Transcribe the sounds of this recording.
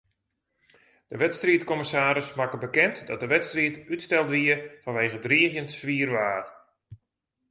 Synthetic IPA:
d̥əʋɛtstriətkoməsaːɾəsmakəbəkɛntdɔt̚dəʋɛtstriətytstɛlˠdʋiəfɑ̃nʋejɣədriəxjəntsʋiərʋaːr

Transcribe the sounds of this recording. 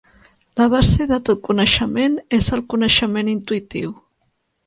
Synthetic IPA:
ləβ̞azeðət̪ot̪̚kunəʃəmenezəlˠkunəʃəmenint̪uit̪ḭw

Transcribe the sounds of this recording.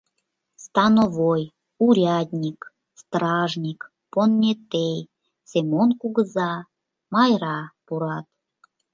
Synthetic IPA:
st̪ɑnoβoj | uɾʲɑd̪ʲnʲik | st̪ɾɑʒnʲik | ponːʲet̪ej | semonkuɣəzɑ | mɑjɾɑpuɾɑt̪

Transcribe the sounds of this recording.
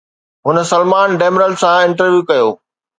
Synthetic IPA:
ɦʊnəsɐlmaːnɖeːmɾəlsãɪ̃ɳʈəɾʋjuːkɐjoː

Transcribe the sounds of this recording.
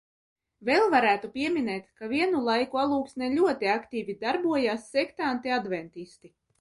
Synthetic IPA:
vɛlˠvaɾæːt̪upʲiɛmʲinɛːt̪kaviɛnulˠajkualˠuːksnɛlʲuɔt̪iakt̪iːvʲid̪aɾbuɔjasːɛkt̪ant̪iad̪vɛnt̪ist̪i

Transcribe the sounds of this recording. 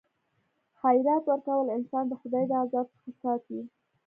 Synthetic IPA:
hajɾɑt̪wəɾkawəlɪnsɑnd̪əxʊd̪ɑjd̪əazɑb̚t͡sə̥xasɑt̪i

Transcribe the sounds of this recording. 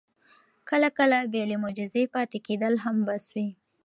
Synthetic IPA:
kəlakəlabelemʊd͡ʒɪzepɑt̪eked̪əlɦambaswi

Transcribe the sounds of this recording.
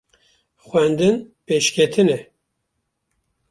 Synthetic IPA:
xʷwɛnd̪ɨnpeːʃkʲʰɛt̪ʰɨnɛ

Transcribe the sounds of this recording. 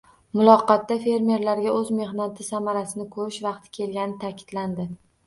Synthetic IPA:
mʊlˠɒqɑt̪ːafe̞ɾme̞ɾlaɾɡʲaɵzme̞ɦnat̪ʰɪsamaɾasɪnɪkʰɵɾɪʃvɑq̚t̪ʰɪ̥kʲʰe̞lɡʲanɪt̪ʰakʲʰɪ̥d̪̥land̪ɪ

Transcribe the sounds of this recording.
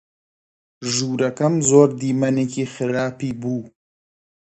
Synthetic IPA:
ʒuːɾɐkɐmzoːɾd̪iːmɐneːkixɪɾaːpiːbuː

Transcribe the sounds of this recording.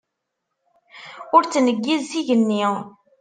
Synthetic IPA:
ʊɾt͡sːnəɡːizsiʝənːi

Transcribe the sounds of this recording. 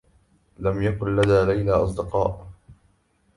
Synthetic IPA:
lamjakʊnlaðaːlajlaːʔɑs̬ˤd̪ɪqɑːʔ

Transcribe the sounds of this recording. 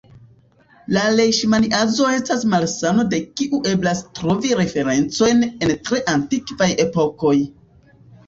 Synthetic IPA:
lale̞ʃmaniʔazo̞e̞stasmalsano̞de̞kiʔuʔe̞blastɾo̞viɾe̞fe̞ɾe̞nt͡so̞jne̞ntɾe̞ʔantikvaje̞po̞ko̞j

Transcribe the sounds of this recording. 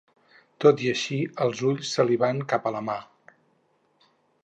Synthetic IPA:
t̪ot̪iəʃiəlˠzuʎsːəliβaŋkapələma

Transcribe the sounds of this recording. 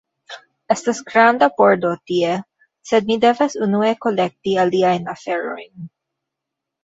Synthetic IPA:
ʔɛst̪ɐsɡɾand̪ɐpoɹd̪ot̪ie | sɛd̪̚mid̪ɛvɐsunuekolɛk̚t̪iɐliajnɐfɛɾojn

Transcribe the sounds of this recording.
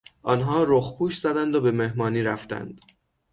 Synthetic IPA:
ʔɒnɦɒːɾoxpʰuːʃz̥æd̪ænd̪obe̞me̞hmɒːniːɾæft̪æ̰nd̪̥

